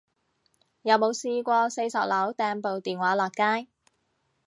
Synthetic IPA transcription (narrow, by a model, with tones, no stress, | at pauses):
jɐ˨˧wmo˨˧wsiː˧kʷɔː˧se˧jsɐ˨p̚lɐ˨˥wt̪ɛː˧npo˨wt̪iː˨˩nwaː˨˥lɔː˨˩kkaː˥j